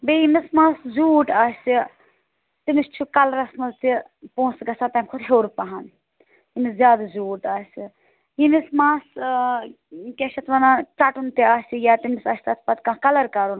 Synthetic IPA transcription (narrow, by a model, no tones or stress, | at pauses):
bejimismaːszuːʈaːsi | t̪imist͡ʃʰukɐlɐɾɐsnɐlt̪i | põːsɡɐsat̪ɐmʲkʰud̪ɦeːɾpɐɦan | jimiszʲjaːd̪azuːʈaːsi | jimismaːs | kʲeʃɐt̪ʰʋɐnat͡ʃaʈunt̪iaːsijat̪imisɐsʲt̪at̪ʰpɐt̪kãkɐlɐɾkɐɾun